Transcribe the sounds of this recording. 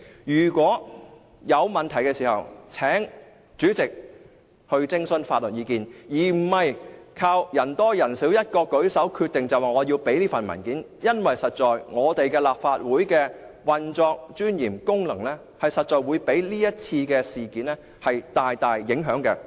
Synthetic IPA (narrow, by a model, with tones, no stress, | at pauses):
jyː˨˩kʷɔː˨˥ | jɐ˨˧wmɐ˨˩nt̪ʰɐ˨˩jkɛː˧siː˨˩hɐ̰˨wt͡sʰɛː˨˥ŋ | t͡ʃyː˨˥t͡sɪ˨k̚ | hɵ˧ɥt͡sɪ˥ŋsɵ˧˥nfaː˧t̚lɵ˨t̚jiː˨˧kiː˨˧njiː˨˩m̩˨˩hɐ˨jkʰaː˧wjɐ˨˩nt̪ɔː˥jɐ˨˩nsiː˨˥wjɐ˥t̚kɔː˧kɵ˨˥ɥsɐ˨˥wkʰyː˧t̪̚ɪ˨ŋt͡sɐ˨waː˨ŋɔː˨˧jiː˧wpe˨˥jliː˥fɐ˨nmɐ̰˨˩nkiː˨˥n | jɐ˥nwɐ˨jsɐ˨t̚t͡ʃɔː˨jŋɔː˨˧t̪e˨jkɛː˧laː˨p̚faː˧t̚wuː˨˥jkɛː˧wɐ˨nt͡sɔː˧k̚t͡ʃyː˥njiː˨˩mkʊ˥ŋlɐ˨˩ŋlɛ˥ | hɐ˨jsɐ˨t̚t͡ʃɔː˨jwuː˨˧jpe˨˥jliː˥jɐ˥t̚t͡sʰiː˧kɛː˧siː˨kiː˨˥nlɛ˥ | hɐ˨jt̪aː˨jt̪aː˨jːɪ˨˥ŋɦœː˨˥ŋkɛ˧